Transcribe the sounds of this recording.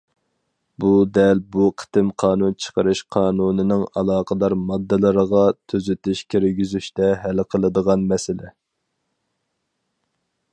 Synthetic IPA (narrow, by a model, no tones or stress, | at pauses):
bud̪ɛlbuqʰə̥t̪ɪmqʰɑːnunt͡ʃʰə̥qəɾɨʃqʰɑːnunɪnɪŋɑlˠɑːqʰəd̪ˠɑɾmɑd̪ːɨlˠɨɾəʁɑt̪ʰøzyt̪ɪʃkʲʰeɾɡʲyzyʃt̪ɛɦælqʰəlˠɨd̪əʁɑnmɛsɪlɛ